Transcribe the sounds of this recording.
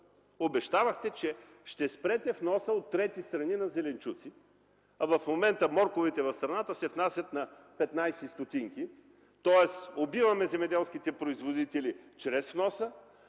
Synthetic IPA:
obɛʃt̪avɐxt̪ɛt͡ʃɛ | ʃt̪ɛspɾɛt̪ɛfnɔsəot̪ːɾɛt̪ist̪ɾɐninɐzɛlɛnt͡ʃut̪si | ɐvɐfmomɛnt̪əmɔɾkovit̪ɛvɐfst̪ɾɐnat̪əsɛfnasʲjɐt̪nɐpɛt̪najsɛst̪ot̪iŋki | t̪ɔɛsobivɐmɛzɛmɛd̪ɛlˠsk̟it̪ɛpɾoizvod̪it̪ɛlit͡ʃɾɛsfnɔsə

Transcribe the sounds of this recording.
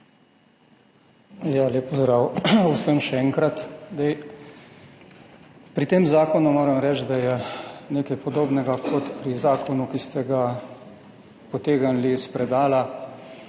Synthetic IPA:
jaleːpɔzd̪ɾawusəmʃɛɛŋkɾat̪d̪ɛj | pɾit̪eːmzaːkɔnumoːɾɛmɾɛːt͡ʃ̪d̪ajɛneːkɛjpɔd̪oːbnɛɡakʰɔt̪pɾizaːkɔnukist̪ɛɡa | pɔt̪eːɡanlispɾɛd̪aːla

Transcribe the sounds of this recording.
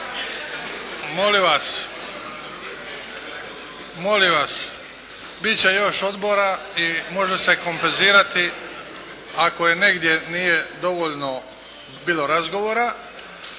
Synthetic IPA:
moliʋas | mo̞liʋas | bit͡ɕe̞jo̞ʃo̞d̪bo̞ɾa | imo̞ʒese̞ko̞mpenziːɾat̪i | ako̞je̞ne̞ɡd̪je̞nije̞d̪o̞ʋoʎno̞ | biːlo̞ɾazɡo̞ʋoːɾa

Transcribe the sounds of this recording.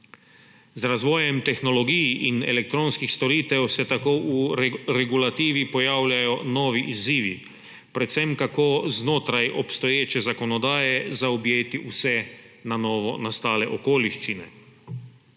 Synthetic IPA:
zɾazʋɔːjɛmt̪ɛxnɔlɔɡiːjʔinɛ̰lɛk̚t̪ɾoːnskixst̪ɔɾiːt̪ɛwsɛt̪akoːuɾɛɡulat̪iːʋipɔjaːwlʲjʲajɔnɔːʋiʔiziːʋḭ | pɾɛt̪sɛmkakoːznoːt̪ɾajʔɔpst̪ɔjeːt͡ʃɛzakɔnɔd̪aːjɛzaɔbjeːt̪iʔusɛ | nanɔːʋɔ̰nast̪aːlɛʔɔkoːliʃt͡ʃinɛ̰

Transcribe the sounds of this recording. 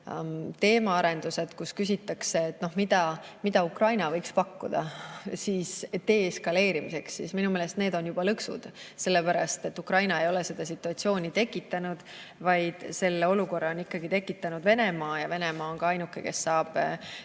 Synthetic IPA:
t̪e̞ːmɑɑɾe̞nd̪̥use̞d̪̥kuskys̬ʲit̪ːˑɑkse̞ːt̪ːˑno̞hmid̪ɑmid̪ɑukrɑjnɑvɤjkspɑkːṵd̪̥ɑ̰siːst̪e̞ːeskɑle̞ːɾimise̞ksːisminumeːle̞st̪neːd̪̥o̞njub̥ɑlɤksṵd̪̥se̞lːepæɾɑ̰st̪e̞t̪ːukrɑjnɑe̞jo̞le̞se̞d̪̥ɑs̬it̪ːˑuɑt̪sio̞ːnʲit̪e̞kːˑit̪ːˑɑnud̪̥ | vɑjd̪̥se̞lːeo̞luko̞rːɑo̞nikːɑɡit̪e̞kːˑit̪ːˑɑnud̪̥ve̞ne̞mɑːjɑve̞ne̞mɑːonɡɑɑjnukːˑḛke̞sːɑːb̥

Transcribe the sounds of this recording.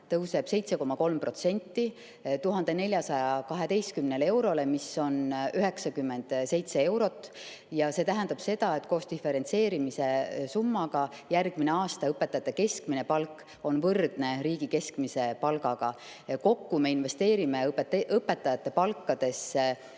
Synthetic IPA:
t̪ɤwse̞b̥se̞jt̪se̞ko̞mɑko̞lmpro̞t̪se̞nʲt̪ˑːi | t̪uɦɑnd̪̥e̞ne̞lʲjɑsɑjɑkɑɦe̞d̪e̞jst̪̚kymnele̞wɾo̞le̞miso̞nyɦe̞ksɑkymːe̞nd̪̥se̞jt̪se̞e̞wɾo̞t̪ːˑ | jɑse̞ːt̪æɦænd̪̥ɑb̥se̞d̪̥ɑe̞t̪ːko̞ːst̪ife̞ɾe̞nt̪se̞ːɾimise̞sumːɑɡ̥ɑjærɡ̥mine̞ɑːst̪ɑɤpːˑe̞t̪ːˑɑjɑt̪ːeke̞skmine̞pɑlkːˑ | o̞nvɤrd̪̥ne̞riːɡ̥ike̞skmise̞pɑlɡ̥ɑɡ̥ɑ | ko̞kːume̞inve̞st̪e̞ːɾime̞peʔɤpːe̞t̪ːɑjɑt̪ːˑe̞pɑlkːɑd̪̥e̞s

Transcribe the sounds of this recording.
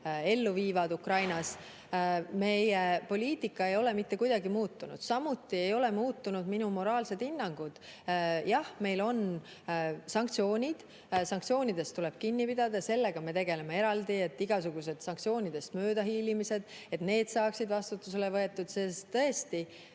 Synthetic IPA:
e̞lːuviːvɑd̪ukrɑjnɑs | me̞jepo̞lʲiːt̪ˑikːˑɑe̞jo̞le̞mit̪ːe̞kujd̪̥ɑɡimuːt̪ːunṵd̪̥sɑmut̪ːˑie̞jo̞le̞muːt̪ːunud̪minumo̞ɾɑːlse̞d̪̥inːɑŋɡ̥ud̪̥jɑhme̞jlo̞n | sɑŋkt̪sio̞ːnʲid̪̥ | sɑŋkt̪sio̞ːnʲid̪e̞st̪ule̞b̥kinːipid̪ɑd̪ɑse̞lːe̞ɡ̥ɑme̞t̪e̞ɡ̥e̞le̞mee̞ɾɑld̪ie̞t̪ːiɡ̥ɑsuɡ̥use̞d̪sɑŋkt̪sio̞ːnʲid̪̥e̞st̪mø̞ːd̪ɑɦiːlimise̞d̪̥e̞t̪ne̞ːd̪̥sɑːksid̪vɑst̪ut̪ːus̬e̞levɤe̞t̪ːˑud̪̥sest̪ːɤ̞est̪i

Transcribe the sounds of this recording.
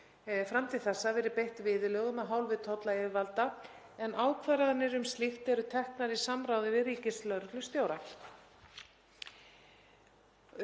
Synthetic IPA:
fɾamt̪ʰɪlθɛsːavɛɾɪpejht̪vɪːðʏlœːɣʏmaðɦaːwlvɪðt̪ʰɔt̪laɪɪvalt̪a | ɛnʔaːwkʰvaɾaðanːɪɾʏmst̪lixt̪ɛɾʏt̪ʰɛhknaɾisamɾawðɪvɪðriːcɪslœɾklʏst̪joːwɾa

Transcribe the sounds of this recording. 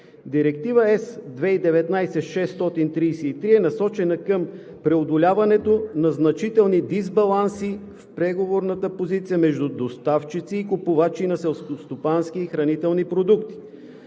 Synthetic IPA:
d̪iɾɛk̚t̪ivəɛsd̪vɛid̪ɛvɛt̪najsɛʃɛsːt̪ɔt̪int̪ɾijsɛit̪ɾiɛnɐsɔt͡ʃɛnəkəm | pɾɛod̪olʲavɐnɛt̪onɐznɐt͡ʃit̪ɛlˠnid̪izbɐlˠansi | fpɾɛɡovoɾnət̪əpozit̪sijəmɛʒd̪ud̪ost̪aft͡ʃit̪siːkʊpovat͡ʃinɐsɛlˠskost̪opanskiːxɾɐnit̪ɛlˠnipɾod̪ukt̪i̥

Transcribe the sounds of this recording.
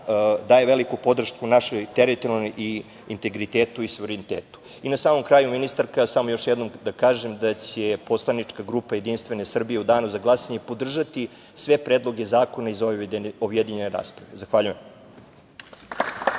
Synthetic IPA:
d̪aːjeʋe̞likupo̞d̪r̩ʃkunaʃejt̪eɾit̪oomi | int̪e̞ɡɾit̪eːt̪uisuʋeɾenit̪eːt̪u̥ | inasaːmo̞mkɾaːjuminist̪aɾkasamojo̞ʂjed̪no̞md̪akaːʒe̞md̪at͡ɕe̞po̞slˠanit͡ʂkaɡɾupaje̞d̪inst̪ʋe̞ne̞sr̩bije̞ud̪aːnuzaɡlˠasaɲepo̞d̪r̩ʒat̪i | sʋe̞pɾeːd̪lˠo̞ɡe̞zaːko̞naizobjed̪iɲe̞neɾa̰ːspɾaʋe̞zaxʋaʎujem

